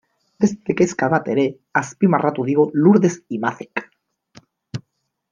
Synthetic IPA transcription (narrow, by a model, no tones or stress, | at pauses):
d̪est̪ekeskaðat̪eɾe | aspimarat̪uðiɣoluɾðesimaθek